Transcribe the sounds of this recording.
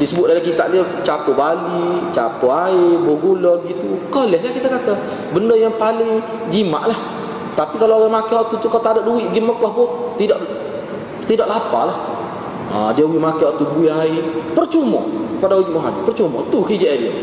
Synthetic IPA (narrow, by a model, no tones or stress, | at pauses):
disəbʊt̪̚dalahkit̪a̰ʔdiə | t͡ʃapobalit͡ʃapoaɪboɡulɔəɡit̪ukɔhlɛhlahkit̪akat̪a | bəndəjaŋpalɪŋ | d͡ʒima̰ʔlah | t̪apikaloaɣaŋmakiɔt̪ut̪ukat̪adaʔduwɪʔɡɪməkɔhkʊht̪idaʔ | t̪idaʔlapa̰lah | ə̰diəuimakiat̪ubuiaɪpərt͡ʃumə̰padawud͡ʒumoɦanipərt͡ʃumə̰t̪uɦid͡ʒaʔdia̰